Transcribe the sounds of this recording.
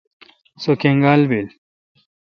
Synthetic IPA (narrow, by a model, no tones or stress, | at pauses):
sokeŋɡaːlbil